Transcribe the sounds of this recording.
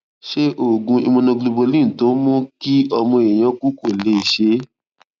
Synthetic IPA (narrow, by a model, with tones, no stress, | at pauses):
ʃe˦ʔo˦˨ɡũ˧ḭ˧mũ˧nã˧ɡlu˧bo˧lĩ˦˨to˨˦mɔ̃˦ki˦ɔ˧mɔ̃˧e˨j̃ã˧˦ku˦ko˦˨le˨˦i˦˨ʃe˨˦